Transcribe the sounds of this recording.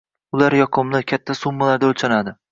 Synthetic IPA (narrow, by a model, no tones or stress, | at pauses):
ʊlaɾjɒqʰʊmlɪkʲʰat̪ʰːasʊmːalaɾd̪aɵlt͡ʃʰanad̪ɪ